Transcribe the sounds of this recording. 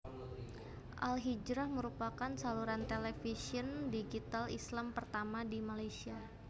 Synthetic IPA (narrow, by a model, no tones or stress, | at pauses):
ʔalɦid͡ʒɾahməɾupakansaluɾant̪elɛfisiəndiɡit̪alislampərt̪amadimalajsia